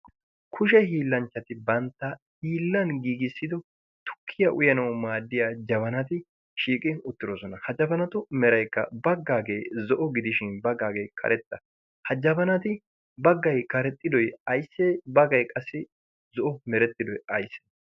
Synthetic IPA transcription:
kʰʊʃ̬ɛhiːlːɐnt͡ʃːɐt̪ɪbɐnt̪ːɐ | hiːlːɐnɡiːɡɪsːɪd̪ɔ | t̪ʊ̥kʰːɪjɐʔʊjɐnɐwmaːd̪ːɪjaːd͡ʒɐβɐnɐt̪ɪ | ʃiːkʼɪʊt̪ːɪɾɔsɔnɐhɐd͡ʒɐbɐnɐt̪ʊmɛɾɐjkːɐ̰bɐɡːaːɡeːzɔʔɔɡɪd̪ɪʃɪnbɐɡaːɡeːjkʰɐ̰ɾʔɛt̪ːɐ | hɐd͡ʒɐbɐnɐt̪ɪ | bɐɡːɐjkɐɾɛt̪ʼːɪd̪ɔjɐjsːeːbɐɡɐjkʼɐsːɪ | zɔʔɔmɛɾɛt̪ːɪd̪ɔjɐjsːe̥

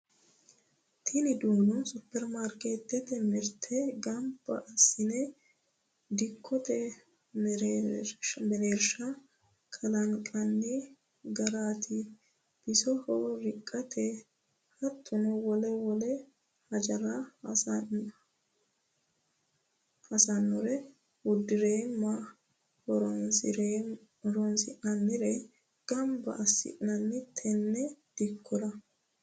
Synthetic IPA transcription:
t̪ʰɪnɪd̪uːnʊsʊpːɛɾmaɾkeːt̪ːɛt̪ɛmɪɾt̪ʰɛɡɐmbɐ̰ʔɐsɪnɛ | d̪ɪkʰːɔt̪ɛ | ɾ | mɛɾeːɾʃɐ | kʰʼɐlɐŋkʼɐnːɪ | ɡɐɾaːt̪ʰɪ | b̥ɪsɔhɔɾɪkʼːɐt̪ʰɛ | hɐt̪ʰːʊnɔwɔlɛwɔlɛ | hɐd͡ʒɐɾan | hɐsɐnːʊɾɛ | wʊd̪ːɪɾeːmːa | hɔɾɔnsɪɾe | ɾɔnsɪʔnɐnːɪɾɛ | ɡ̥ɐmbɐ̰ʔɐsːɪ̰ʔnɐnːɪt̪ʰɛnːɛd̪̥ɪkʰːʊɾɐ

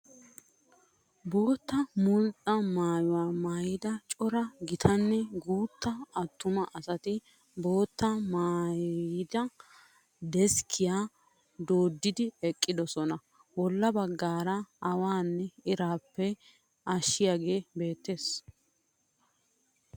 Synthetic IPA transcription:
bo̞ːt̪ːɐmʊnt͡sʼɐmaːjʊwaːmaːjɪd̪ɐt͡ʃʼɔɾɐɡɪt̪ʰɐnːɛɡuːt̪ːɐɐt̪ːʊmɐʔɐsɐt̪ɪ | bo̞ːt̪ːɐmaːjɪd̪ɐ | d̪ɛskʰɪjaː | d̪o̞ːd̪ːɪd̪ɪɛkʼːɪd̪ɔsɔnɐ | wɔlːɐbɐɡːaːɾɐɐwaːnːɛɪɾaːpːɛ | ɐʃːɪjaɡe̞ːbe̞ːt̪ːe̞ːs

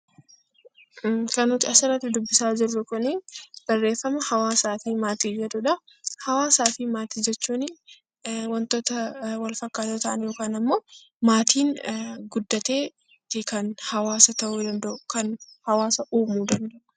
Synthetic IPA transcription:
kɐnʊt̪ɪɐsɪɾɐt̪ɪd̪ʊbːɪsaːd͡ʒɪrːʊkʊnɪb̥ɐrːe̞ːfːɐmɐhɐwaːsaːfɪmaːt̪iːd͡ʒɛᶑ̪ʊᶑɐ | hɐwaːsaːfɪmaːt̪iːd͡ʒɛt͡ʃːuːnɪ | wɐnt̪oːt̪ɐwɐlfɐkːaːt̪ɐt̪ɐʔɐnjo̞ːkaːnɐmːo̞ː | maːt̪ʰiːnɡʊd̪ːɐt̪e̞ː | t̪ɪkɐnhɐwaːsɐt̪ɐʔuːd̪ɐnd̪ɐʔʊkɐnhɐwaːsɐʔuːmuːd̪ɐnd̪ɐʔʊ̥

